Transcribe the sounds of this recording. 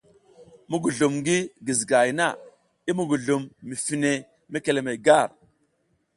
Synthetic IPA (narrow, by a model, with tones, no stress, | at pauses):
mu˦ɡu˨ɮu˨mŋɡi˦ɡi˨zɡa˨jna˦˨ | i˦mu˨ɡu˨ɮu˨mːi˨fi˨ne˨ | me˦ke˨le˨me˨ɡa˦˨ɾ